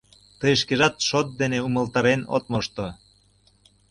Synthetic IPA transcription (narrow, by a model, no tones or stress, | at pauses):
t̪əjəʃ̬keʒɑt̪ʃot̪̚d̪eneuməlt̪ɑɾeno̰t̪̚moʃt̪o